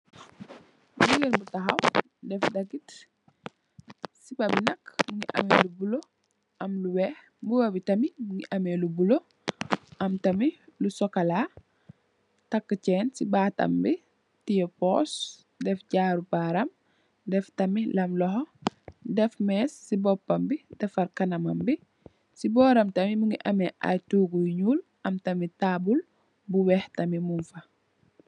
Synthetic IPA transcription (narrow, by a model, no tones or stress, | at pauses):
buɡinbutɐxɐw | dɛfdɐɡit | sibɐbinɐkmuŋḭʔɐ̰melubulo | ʔɐmluwɛːh | mbuwɐbitɐmimuŋiʔɐmelubulo | ɐmtɐmilusɔkɐla | tɐkːəcɛːnsibaːtɐ̰mbi | tijopos | dɛfɟaːɾupaɾɐm | dɛftɐmilɐmlɔhodɛfmɛːsːibɔpːɐmbidɛfɐɾkɐnɐmɐmbi | sibɔːɾɐmtɐmimuŋiʔɐmeʔa̰tuːɡuɲuːlʔɐmtɐmitaːbul | buwɛhtɐmimunfɐ